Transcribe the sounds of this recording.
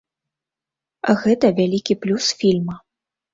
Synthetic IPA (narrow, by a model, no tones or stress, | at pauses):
ɣɛt̪ɐvʲalʲikʲiplʲusfʲilʲmɐ